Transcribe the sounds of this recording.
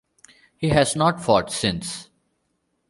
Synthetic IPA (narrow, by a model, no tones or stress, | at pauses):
hiːɦɛznɔːʈfɔːʈsɪ̃ns